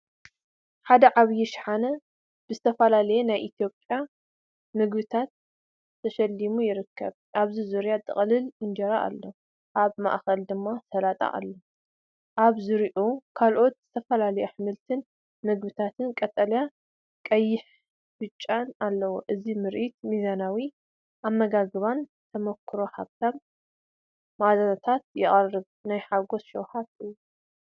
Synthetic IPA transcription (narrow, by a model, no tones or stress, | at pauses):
ħad̪ɐʕaβjɛʃħanɐ | b̥ɨzɨt̪ʰɐfɐlalɐjɛnajʔit̪ʰijo̞pʼja | mɨɡbɨt̪ʰat̪ʰː | ɐʃɐlːimujɪɾɨkʰːɐ̰βʔaβzizuɾjat̪ʼɨ̰χʼlɨlɨnd͡ʒɐɾaʔa̰lːo | ʔaβma̰ʔxɐld̪ɨmːasɐlat̪ʼa̰ʔa̰lːo | ʔaβzɨɾiʔokʰalʔo̞t̪zɨt̪ʰɐfɐlalɐjoħɨmɨlt̪ʰɨn | mɨɡbɨt̪ʰat̪ʰɨnkʼɐt̪ʼɐlja | kʼɐjːɪħ | bɨt͡ʃʼːanalːɐwoʔɨzimɨɾʔit̪mizanawi | ʔamːɐɡaɡɨβan | t̪ʰɐmɐkʰːɨɾo̞haβt̪ʰaβ | mad̪anat̪ʰat̪̚jɪʔʼɐrɨβ | najħaɡo̞sʃɐwhat̪ɨjːu